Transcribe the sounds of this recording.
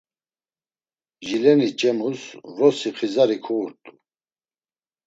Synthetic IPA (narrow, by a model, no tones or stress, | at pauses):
ʒilɛnit͡ʃʼɛmusɾɔsiχʰizaɾikʰuuɾt̪ʼu̥